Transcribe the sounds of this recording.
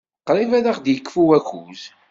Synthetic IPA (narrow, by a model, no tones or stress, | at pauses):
qːɾˤivæðaχd̪jəkːfuwækːuz